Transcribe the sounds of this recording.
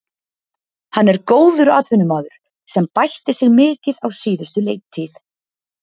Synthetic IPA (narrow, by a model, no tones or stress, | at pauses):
hanːɛɾkoːwðʏɾa̰ːt̪vʏnʏmaːðʏɾ̥ | sɛmpajht̪ɪ̥sɪɣmɪːcɪðawsiːðʏst̪ʏlejk̚t̪ʰːɪːθ